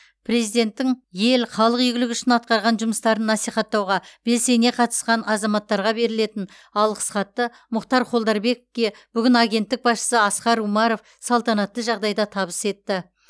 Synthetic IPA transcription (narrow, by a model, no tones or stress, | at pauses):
pʰre̞zijd̪e̞nt̪ːɪŋje̞lχɑlˠəqijɡʲɪlɪkʏʃɪnɑt̪̚qɑɾʁɑnʒʊməst̪ɑɾənːɑsijχɑt̪ːɑwʁɑb̥e̞lse̞ne̞qʰɑt̪ə̥sqɑnɑzɑmɑt̪ːɑɾʁɑbe̞ɾɪle̞t̪ɪn | ɑlˠqə̥sχɑt̪ːə | mʊqt̪ɑɾqʰo̞lˠd̪ɑɾbe̞kokʲe̞b̥ʏɡʲɪnɑɡʲe̞nt̪ːɪk̚bɑsʃə̥səɑsqɑɾumɑɾo̞f | sɑlˠt̪ɑnɑt̪ːəʒɑʁd̪ɑjd̪ɑt̪ʰɑbəse̞t̪ːɪ